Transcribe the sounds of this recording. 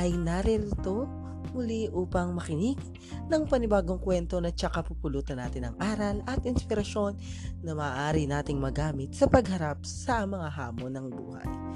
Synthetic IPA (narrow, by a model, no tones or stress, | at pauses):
ʔɐjnɐɾɪɾɪt̪o̞ | mʊliʔuːpɐŋmɐkɪnɪɡ | nɐŋpɐnɪbaːɡoŋkwɛnt̪o̞nɐt͡ʃɐkapupʊluːt̪ɐnːaːt̪ɪnɐ̰ŋʔaːɾɐlɐt̪ʔɪnspɪɾɐʃo̞nː | ɐmɐːʔaːɾɪnaːt̪ɪŋmɐɡaːmɪt̪̚sɐpɐɡɦɐɾap̚sɐmɐŋaɦaːmonɐŋbṵːhɐ̰j